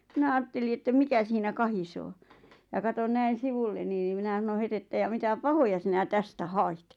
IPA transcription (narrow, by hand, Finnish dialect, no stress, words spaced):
minæ ɑːtːeli etːæ mikæ siːnæ kɑhisoː jɑ kɑton næin̞ siʋulːeni n̆ĭ minæ s̆ɑ̆n̆ŏ het etːæ jɑ mitæ pɑhojɑ sinæ tæstæ hɑit